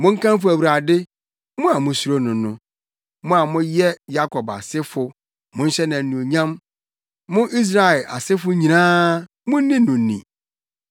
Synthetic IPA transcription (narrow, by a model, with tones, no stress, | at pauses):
mʊ̃˦ŋ̩˦kʰã˦mf̬ʊ˦æ˨wɾa˨dɪ˦ | mʊ̃˦a˨mʊ̃˨su˦ɾo˦nʊ̃˨nʊ̃˦ | mʊ̃˦a˨mʊ̃˦jɛ˦ja˦kʰɔ˨ba̰˨sɪ˦fʊ˨ | mʊ̃˦n̩˦ɕɛ˦nã˨n̩˦nũ˨o˨ɲã˦m | mʊ̃˦ʔi˦s̬ɾa˨ɛ˨lʔa̰˨sɪ˦fʊ˦ɲĩ˨nãː˦ | mʊ̃˦n˦nĩ˦nʊ̃˨n̩˦nḭ̃˨